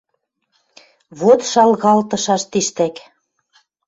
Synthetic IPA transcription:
βot̪ʃɑlɣɑlt̪ɤ̆ʃɑʃt̪iʃt̪æk

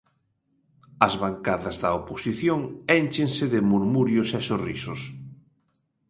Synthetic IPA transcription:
ɐzβaŋkaðɐzðɐoposiθjoŋɛnt͡ʃeŋsɪðɪmuɾmuɾjʊsɛsorisʊs

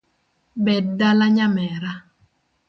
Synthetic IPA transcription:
bɛdːalaɲamɛɾa

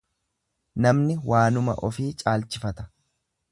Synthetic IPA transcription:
nɐmnɪwaːnʊmɐ̰ʔɔfiːt͡ʃʼaːlt͡ʃɪfɐt̪ɐ̥

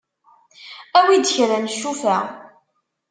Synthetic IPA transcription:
æwid̪çɾænəʃːufæ

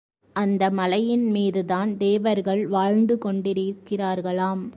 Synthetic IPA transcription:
ʔɐnd̪ɐmɐlɐjɪnmiːðɯðaːnd̪eːʋɐɾɣɐɭʋaːɻnd̪ɯkɔɳɖɪɾɪkːɪraːɾɣɐɭaːm

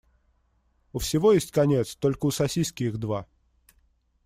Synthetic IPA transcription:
ʊfsʲɪvo̞jesʲtʲkɐnʲet̪st̪o̞lʲkəʊsɐsʲijskʲɪɪxd̪va

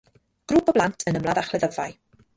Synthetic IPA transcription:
ɡ̥ruːpʰɔblˠantʰənəmlˠaðaχlɛðəvaj

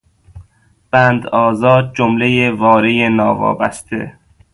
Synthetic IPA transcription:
b̥ænd̪ɒːzɒːd̪̚d͡ʒomlejevɒːɾejenɒːvɒ̰ːbæ̰st̪ʰḛ

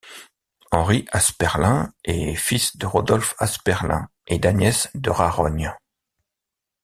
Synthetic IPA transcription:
ɑ̃ʁiʔaspɛʁlɛ̃ḛfisd̪əʁɔd̪ɔlfaspɛʁlɛ̰̃ | ed̪anjɛsd̪əʁaʁɔɲ

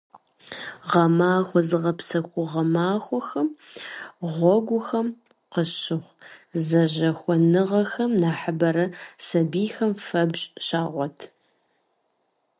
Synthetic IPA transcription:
ʁɐmaːxʷɔzɨʁɐpsɐxʷʊʁɐmaːxʷɔxɐm | ʁʷɔɡʷʊxɐm | qəɕɪχʷzɐʑɐxʷɔnɨʁɐxɐmnaːħəbɐɾɐsɐbiːxɐmfɐbɕʼɕaːʁʷɔtʰ

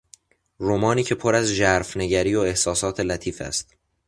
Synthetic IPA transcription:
ɾomɒːniːcʰe̞pʰoɾæzʒæɾfneɟæɾiːoe̞hsɒːsɒːt̪ʰe̞læt̪ʰiːfæ̰st̪̚

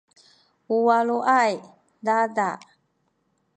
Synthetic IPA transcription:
uwaluʔaj | dada

